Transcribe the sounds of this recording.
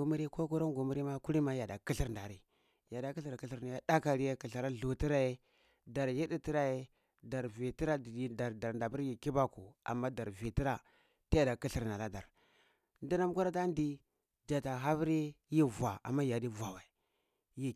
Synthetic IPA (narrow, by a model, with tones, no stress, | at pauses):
u˨mi˦ɾi˦ko˦ku˦ɾo˦ŋɡu˨mi˦ɾi˦ma˦ku˦ɾi˦ma˦ja˨da˨ki˦ɬi˦ɾnda˨ɾi˨ | ja˨da˨ki˦ɬi˨ɾki˦ɬi˦ɾna˨ja˨da˦ka˨ɾi˦je˦ki˨ɬa˨ɾa˦ɮu˨ti˦ɾa˦je˦ | da˨ɾji˦di˦ti˦ɾa˦je˦ | da˨ɾvi˨ti˦ɾa˦dda˨ɾda˨ɾnda˨bu˦ɾji˨ki˦ba˦ku˨a̰˨mːa˦da˨ɾvi˨ti˦ɾa˦ | ti˦ja˨da˨ki˦ɬi˦ɾna˨la˦da˨ɾ | ndi˦na˦m˦ku˦ɾa˦ta˦ndi˦ | d͡ʒa˨ta˨ɦa˦vi˦ɾi˦ji˦va˨a̰˨mːa˦ja˨di˦va˨wa˨ | ji˦